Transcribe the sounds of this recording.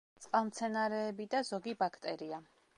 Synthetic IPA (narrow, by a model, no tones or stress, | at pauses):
t̪sʼqʼalˠmt̪sʰɛnaɾɛːbid̪azɔɡibakʰt̪ʼɛɾia